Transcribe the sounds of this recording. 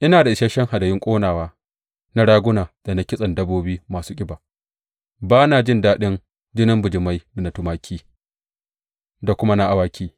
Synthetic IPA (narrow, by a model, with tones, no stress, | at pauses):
ʔɪ˦naː˨da˨ʔɪ˨ʃɐ˦ʃɛ˦ŋha˨dɐ˨jɪ˦ŋkʷʼoː˦naː˨waː˦ | na˦ɽaː˦ɡʷʊ˦naː˨d̥a˨na˦kʲɪ˦sʼɐ˨ndɐ˦boː˦biː˦maː˨suː˦kʲʼɪ˦baː˨ | baː˦na˨d͡ʒɪ˦ndaː˦ɗɪ˦n | d͡ʒɪ˦nɪ˦mbʊ˨d͡ʒɪ˨ma˦jda˨na˨tʊ˦maː˦kʲʰiː˦ | da˨kʷʊ˦ma˦na˦ʔa˦waː˦kʲʰiː˦